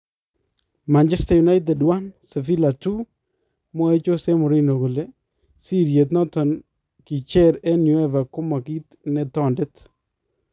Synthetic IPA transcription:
ma˨nt͡ʃɛ˦staju˨na˦jt̬ɛ˨dwa˦nsɛ˨fi˦la˨tu˦ | mɔ˦e˦t͡ʃo˦se˦mʊ˨ɾi˦no˨kʊ˨le˦ | si˦ɾje˨t̪̬nɔ˦tɔ˨n | ki˨t͡ʃɛ˦ɾɛ˦nju˨ɛ˦va˨kʊ˦ma˨ki˦t̪ | nɛ˨tɔ˦˨ndɪ˦t

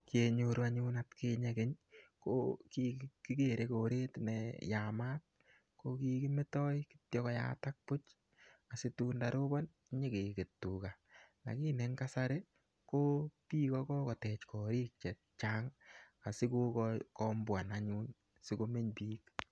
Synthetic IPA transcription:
kje˨ɲoɾu˦aɲunatke˧ɲekɪ˦ɲko̰kiki˦ke˨ɾekoɾe˦tnɛjama˦k̚ː | oki˦ki˦me˦tɔ˦jkɪ̥tjɔ˦kɔ˦ja̰tak̚pʊ˦t͡ʃ | a˨sɪ˦tuː˦ndaɾo˦bɔ˦n˦ | ɲe˦ke˨ke˨tːu˨ka˨na̰˨ki˦ne˦ŋka˦sa˦ɾe˦ | ko˦piː˦kɔkɔ˦kɔ˨tɛ˨t͡ʃkɔ˨ɾiː˦k̚t͡ʃɛ˨t̚t͡ʃaːŋ | a˨sɪ˦ko˦kɔkɔmbwa˨naɲun | si˦ko˧me˦ɲpiːk

